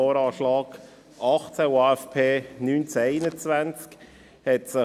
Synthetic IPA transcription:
ɔːɾɑːʃlɑːɡ | ɑχt͡sɛwaːɛfpʰeːnyːnt͡sɛeɪnət͡svant͡sk | hɛtsə

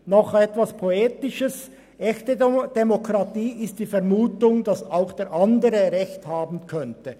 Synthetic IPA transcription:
nɔχɛtvaspʰoeːtɪʃəs | ʔɛçtəd̥emokʁɑtiːɪst̚d̥iːfɛɐmuːtʊŋdɑsaʊxd̥eːɾʔɑndəʁəʁɛçthaːbn̩kʰœntə

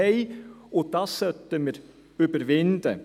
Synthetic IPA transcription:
ɛɪod̥̪ɑssœt̪əməɾ | ybəɾvɪnd̪ə

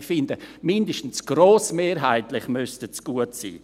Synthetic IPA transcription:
fɪndəmɪndəʃtn̩sɡ̥roːsmeːɾɦaɪtlɪχmystət͡sɡ̥uətsḭː

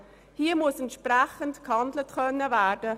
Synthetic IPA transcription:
hiːəmʊəsɛntʃpɾæχəntkhɑndlətkʰœnːəvæːɾdə

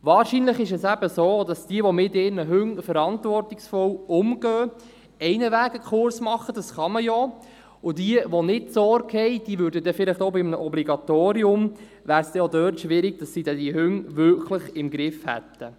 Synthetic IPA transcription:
ʋɑːɾʃiːnləχɪʃɛsæbəsoːd̥ɑsd̥iəʋɔmɪtɪːɾnəɦʏŋfəɾɑntvɔrtɪksfɔwʊmɡ̥œː | ɛɪnəʋæːɡəkχʊɾsmɑχəd̥ɑsχɑməjɔ | ʊdiəʋonɪtsɔɾɡhɛɪd̥iːʋʉːɾdədɛfɪlɪχtoʊbɪmnəʔɔbliɡɑt̪oːɾiʊm | ʋæːɾsd̥ɛjodœːtʃʋɪɾɪɡ̚dɑsːid̥ɛdiɦʉŋʋʏɾkʰləχɪmɡɾɪfhɛ̰t̪ːə

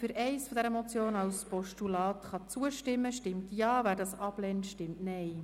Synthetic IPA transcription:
fʏɾɛɪsfɔd̪ɛɾəmot͡sjoːnɑwspɔʃtulɑːt̪χɑt͡suəʃtɪmːəʃtɪmtjɑːvæːɾdɑsɑb̥lɛntʃtɪmtnɛɪ

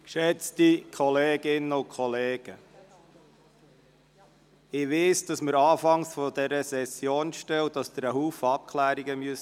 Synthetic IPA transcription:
kʃɛt͡stikʰɔleːɡ̥ɪnəʊkʰχɔleːɡ̥ə | ɪʋeːsd̥ɑsməɾɑːfɑŋsfɔd̪ɛɾəsɛsjoːnʃtɛwd̥ɑsd̥̪əɾəɦuːfəɑp̚kʰχlæːɾiɡəmyəs

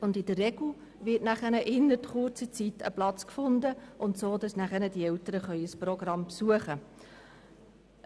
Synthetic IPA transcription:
ʊndɪdərːɛɡ̥u | vɪtnæχənəʔɪnːətχʊrt͡sət͡sitə̰plɑt͡skfʊndəʔʊntsoːdɑsnæχənəd̥iɛltəɾəχœʏəsprɔɡrɑmpsuəχə

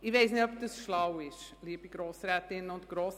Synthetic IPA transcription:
ɪʋeɪsnɪtɔpd̥əsʃlawɪʃliəbiɡɾoːsrɛːtɪnəʊ̃ntɡ̥ɾoːs

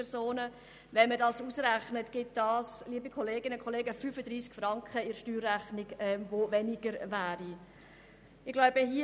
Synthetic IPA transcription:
ɛsoːnə | vɛnmədɑːsuːsɾæχnətɡ̥ɪt̚d̥ɑːsliəbikʰɔleːɡɪnəkʰɔleːɡəfyfədɾiːskfɾɑŋkχəɪɾʃtyːrːæχnɪɡɛmvovɛniɡəɾvæːɾi | ɪɡ̥laʊbəɦi

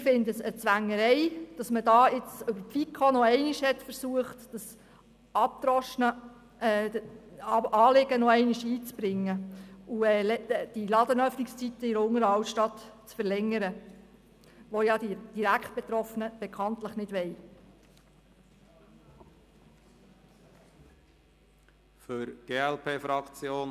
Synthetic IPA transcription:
ɪfɪndəsət͡sʋæŋːəɾɛɪd̥ɑsmədɑːɪt͡sʏbəɾtfikʰonɔɛɪnɪʃhɛtfəɾsuəχtd̥ɑs | ɑp̚t̪ɾɔʃnə | ɑːlɪɡ̥ənɔɛɪnɪʃiːt͡sb̥ɾɪŋːəuɛːlɛd̥ilɑd̪ənœfnɪkst͡sit̪ːəiɾəʊŋəɾɑwtʃtɑt̪t͡sfəɾlɛŋːəɾə | ʋojɑd̪id̥iɾækt̚b̥et̪ɾɔfənəb̥ekʰɑnt̪ləχnɪd̥ʋɛj | føɾɡ̥eːɛlpʰeːfɾɑkt͡sjoːn

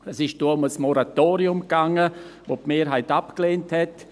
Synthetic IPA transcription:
ɛsɪʃd̥oːʊməsmɔɾatoːɾiʊmɡaŋəvoːpmeːɾɦaɪtapkleːnthɛt

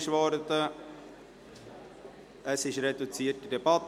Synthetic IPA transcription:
ʃʋɔɾədə | əsɪʃɾedut͡siːətidebɑt

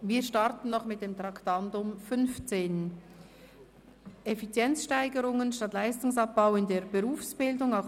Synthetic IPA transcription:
viːʃtɑɾtn̩nɔχmɪt̚d̥eːmt̪ɾɑktɑndʊmfʏnft͡seːn | efit͡sjɛnt͡sʃtaɪɡəɾʊŋənʃtɑtlaɪstʊŋsɑp̚b̥aʊɪndeːbeʁuːfsb̥ɪldʊŋa

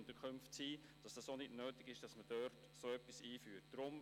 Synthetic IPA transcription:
ntəkʰχʏmftsiː | d̥ɑsd̥ɑsonɪdnøːtɪɡ̥ɪʃd̥ɑsməd̥øːɾt | soːœpːisiːfyːt̚d̥ɾʊm

